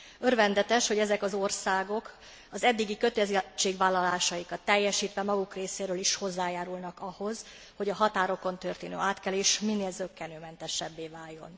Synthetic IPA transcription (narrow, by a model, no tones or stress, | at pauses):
ørvɛnd̪ɛt̪ɛʃho̞ɟɛzɛkɒzo̞rsaːɡo̞k | ɒzɛd̪ːiɡikø̞t̪ɛzt͡ʃːeːɡʋaːlːɒlaːʃɒjikɒt̪ːɛjːɛʃiːt̪ʋɛmɒɡukreːseːɾøːliʃho̞zːaːjaːɾulnɒkɒho̞z̥ | ho̞ɟɒɦɒt̪aːɾo̞ko̞nt̪ø̞rt̪eːnø̰ːaːt̪kɛleːʃminːeːlzøkːɛnøːmɛnt̪ɛʃɛbːeːvaːjjːo̞̰n